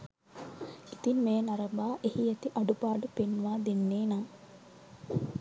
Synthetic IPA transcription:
it̪inmeːnɐɾɐbaːʔehijɐt̪iʔɐɖupaːɖupenːʋaːd̪enːeːnaː

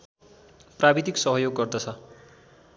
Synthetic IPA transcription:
prabid̪iksʌɦʌjoɡːʌrd̪ʌt͡sʰʌ

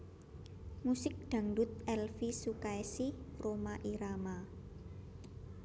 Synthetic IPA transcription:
musɪk̚ɖ̪̥ä̤ŋɖʊt̪̚ɛlfisukaesiromaʔiɾama

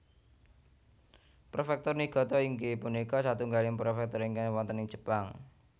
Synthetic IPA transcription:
pɾofɛk̚t̪ɔrniɡ̥ɔ̤t̪ɔiŋkipunikɔsat̪uŋɡalɪŋpɾofɛk̚t̪ɔɾiŋkanwɔnt̪əniŋd͡ʒ̥ə̤̥paŋ

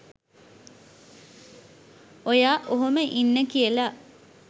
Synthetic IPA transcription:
ojaːʔoɦoməʔinːəkijəla

